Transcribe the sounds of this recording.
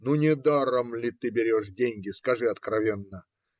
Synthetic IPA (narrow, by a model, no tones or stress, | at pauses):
nunʲɪd̪aɾəmlʲɪt̪ɨbʲɪɾʲoʂdʲenʲɡʲɪskɐʐɨɐt̪kɾɐvʲenːə